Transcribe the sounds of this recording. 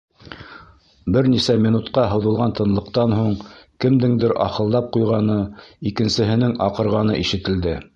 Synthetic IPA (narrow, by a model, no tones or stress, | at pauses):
bɘɾnisæmʲinut̪qɑɦɤ̆wðɤ̆lˠʁɑnt̪ɤ̆nlˠɤ̆qt̪ɑnɦuɴkɘ̆md̪ɘŋd̪ɘɾʔɑ̰qɤ̆lˠd̪ɑp̚qujʁɑnɤikɘ̆nsɘ̆ɦɘ̆nɘŋɑqɤ̆ɾʁɑnɤ̰ʔiʃɘ̆t̪ɘ̆ld̪ɘ